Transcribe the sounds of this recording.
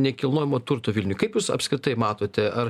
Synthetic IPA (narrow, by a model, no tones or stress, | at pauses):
nʲɛkʲɪlˠnoːjɪmoːt̪ʊɾt̪oːʋʲɪlʲnʲʊjkɐɪpjuːsɐ̰pskɾʲɪt̪ɐɪmɑːt̪oːt̪ʲɛʔɐr